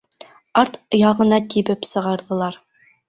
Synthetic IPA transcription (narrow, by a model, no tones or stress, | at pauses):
ɑɾt̪jɑʁɤ̆nɑt̪ibɘpsɤ̆ʁɑɾðɤ̆lˠɑɾ